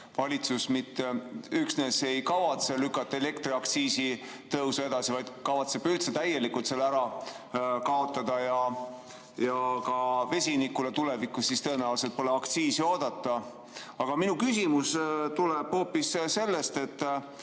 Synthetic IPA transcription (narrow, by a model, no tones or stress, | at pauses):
vɑlʲit̪susmit̪ːeyksne̞se̞jkɑvɑt̪selykːˑɑt̪ːɑele̞kt̪ɾiɑk̚t̪siːsi | t̪ɤwsue̞d̪̥ɑsivɑjd̪̥kɑvɑt̪seb̥ylt̪set̪æje̞likult̪selæɾɑ | kɑo̞t̪ːˑɑd̪̥ɑjɑ | jɑkɑve̞sʲinikulet̪ule̞vikːussist̪ɤ̞enæuls̬et̪̚po̞leɑkt̪siːsio̞ːd̪̥ɑt̪ːˑɑ | ɑɡ̥ɑminukysʲimust̪uleb̥ho̞ːpːisse̞lːest̪e̞t̪ː